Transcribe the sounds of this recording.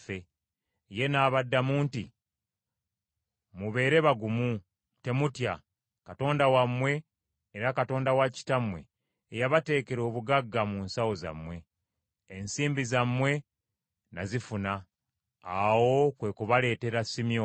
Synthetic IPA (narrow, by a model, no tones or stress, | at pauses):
fe | je̞naːβadːamuːnti | muβe̞ːɾe̞βaɡumu | te̞mutja | kato̞ːndawamwe̞ː | ɾakato̞ːndawaci̥tamwe̞̰ː | jaβate̞ːke̞ɾo̞ːβuɡaɡːamunsawo̞za̰mwe̞ː | nsiːmbizamːwe̞ | nazifunaː | wo̞kwe̞kuβale̞ːte̞ɾasimjo